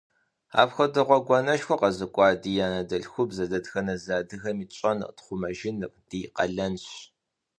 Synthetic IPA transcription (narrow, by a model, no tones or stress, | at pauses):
a̰ːpxʷɐdɨʁʷɔɡʷɔnɐʃxʷɔqɐzɨkʷʼɑːdiːjaːnɐdɐɬxʷʊbzɐdɐdxɐnɐzaːdɨxɐmiːt͡ʃʼɐn̰tχʷʊmɐʒɪnɨrd̥iːqɐɮɐnɕ